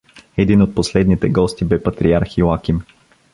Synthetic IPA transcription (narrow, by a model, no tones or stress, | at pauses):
ɛd̪inot̪̚poslɛd̪nit̪ɛɡɔst̪ibɛpɐt̪ɾiaɾxiakʲim